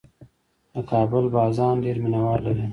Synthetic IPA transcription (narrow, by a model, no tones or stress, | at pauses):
d̪əkɑːbəlbɑːzɑːnɖeːɾmɪnawɑːlːaɾiː